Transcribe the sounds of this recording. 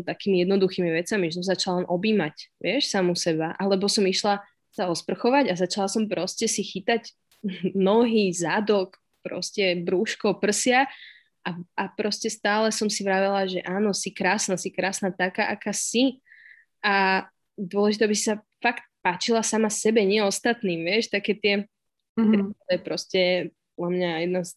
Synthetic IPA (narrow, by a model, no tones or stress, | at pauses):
t̪akiːmijɛd̪nɔd̪uxiːmiʋɛt͡samiʒɛs̬ɔmzat͡ʃalalɛnʔɔbiːmacʋɪɛʃsamusɛbaʔalɛbɔsɔmiʃla | saɔspr̩xɔʋaɟazat͡ʃalasɔmpɾɔscɛsixit̪aɟ | nɔɦizad̪ɔk | pɾɔ̰scɛbɾuːʃkɔpr̩sɪa | ʔaʔapɾɔscɛst̪aːlɛsɔmsiʋɾaʋɛlaʒɛʔaːnɔsikɾaːsnasikɾaːsnaːt̪akaʔakaːsi | a | d̪ʊɔlɛʒit̪ɛabisi̥sa | fakt̪̚paːt͡ʃilasamasɛbɛɲɪɛɔst̪at̪niːmʋɪɛʃt̪akɛːt̪ɪɛ | t̪ɛd̪ɔjɛpɾɔscɛpɔlamɲajɛd̪nas